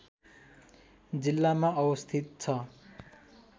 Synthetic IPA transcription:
d͡zilːamaʔʌwʌst̪ʰit̪̚t͡sʰʌ

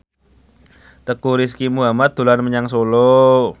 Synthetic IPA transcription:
t̪əkuɾis̬kimuɦamat̪̚d̪̥o̤lanməɲaŋsolo

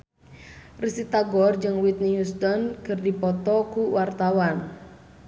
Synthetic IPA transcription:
risit̪aɡɔrd͡ʒɨŋwit̪̚nijust̪ɔnkɨrdipɔt̪ɔkuwart̪awan

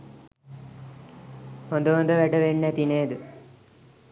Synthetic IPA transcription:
hond̪əʋond̪əʋæɖəʋenːæt̪ineːd̪ə

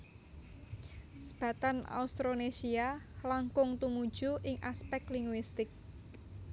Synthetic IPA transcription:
sə̥b̥a̤t̪ana̰ust̪ɾonesialaŋkʊŋt̪umud̥ʒ̥ṳʔɪŋʔaspɛk̪̚liŋɡwist̪ɪk̚

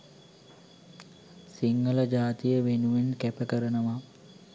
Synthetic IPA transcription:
siŋːələd͡ʒaːt̪ijəʋenuʋenkæpəkəɾənəʋa

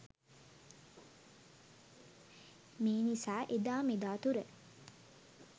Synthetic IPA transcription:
meːnisaːʔed̪aːmed̪aːt̪uɾə

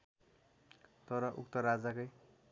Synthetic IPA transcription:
t̪ʌɾʌʔuk̚t̪ʌɾad͡zakʌj

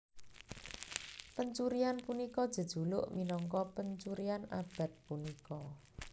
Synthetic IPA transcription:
pəɲt͡ʃuɾianpunikɔd̥ʒ̥ə̤d̥ʒ̥ṳlʊ̰ʔminɔŋkɔpəɲt͡ʃuɾiana̰b̥a̤t̪̚punikɔ

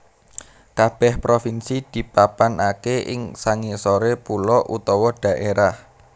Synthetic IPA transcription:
kab̥ɛhpɾofinsid̪̥i̤papanakeʔɪ̰ŋsaŋisoɾepulɔʔṵt̪ɔwɔɖ̥ä̤ʔeɾah

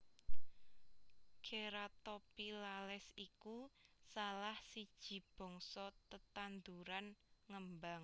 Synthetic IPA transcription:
kʰeɾat̪opilalɛsikusalahsid̥ʒ̥i̤b̥ɔ̤ŋsɔt̪ət̪and̪uɾanŋəmbaŋ

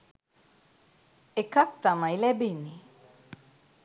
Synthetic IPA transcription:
ekak̚t̪amajlɛbini

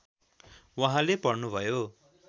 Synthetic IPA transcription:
waɦãlepʌrnubʱʌjo

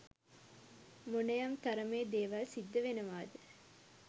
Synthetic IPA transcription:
munɐjɐmt̪ɐɾɐmeːd̪eːʋɐlsid̪ːɐʋenɐʋaːd̪ɨ

